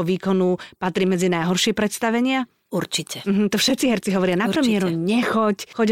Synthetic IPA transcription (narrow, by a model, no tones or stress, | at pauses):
ɔʋiːkɔnupat̪ɾiːmɛd͡zinajɦɔɾʃɪɛpɾɛt̪st̪aʋɛɲɪa | uɾt͡ʃicɛm̩ɦm̩t̪ɔfʃɛt̪t͡siɦɛɾt͡siɦɔʋɔɾɪanappɾɛmɪɛɾuɲɛxɔcxɔɟ